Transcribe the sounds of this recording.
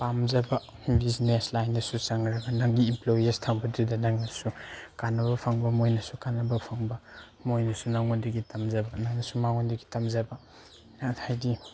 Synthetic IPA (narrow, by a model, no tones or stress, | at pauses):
pamzɐbɐ | bizneslajndɐsusɐŋɾɐɡɐnɐŋɡiːmplojestʰaŋbɐdudɐnɐŋnɐsukanːɐβɐpʰɐŋbɐmojnɐsukanːɐbɐpʰaŋbɐ | mojnɐsunaŋondiɡitɐmzɐbɐnaŋnɐsumaŋondiɡitɐmzɐbɐ | hajdi